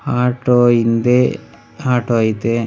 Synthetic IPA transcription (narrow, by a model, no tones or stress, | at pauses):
haːʈːoːind̪e | aːʈoːit̪e